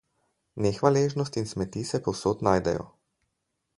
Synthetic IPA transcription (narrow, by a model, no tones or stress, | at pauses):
nɛxʋaleːʒnɔst̪insmɛt̪isɛpɔwsoːt̪naːjd̪ɛ̰jɔ̰